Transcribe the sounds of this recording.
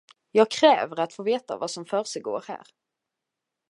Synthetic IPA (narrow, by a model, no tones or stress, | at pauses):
jɑːɡ̚kʰɾɛːvəɾat̪foːveːt̪a̰vasɔmfœːɾʂɛɡo̰ːɾhæ̰ːɾ